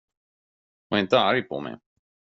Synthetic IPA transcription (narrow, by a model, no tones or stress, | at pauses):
haɪnt̪əaɾpʰɔ̰mɛ̰j